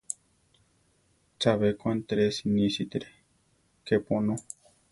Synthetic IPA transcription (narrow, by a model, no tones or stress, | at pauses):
t͡ʃaβekwãnt̪ɾesinĩsit̪ɾe | keponõ